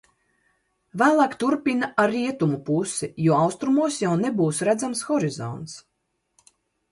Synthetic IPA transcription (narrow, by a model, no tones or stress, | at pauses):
væːlˠaːkt̪uɾpinaʔaɾːiɛt̪umupusijuɔɑwst̪ɾumuɔsjawnebuːsɾæd̪zamsxɔɾizɔ̰nt̪s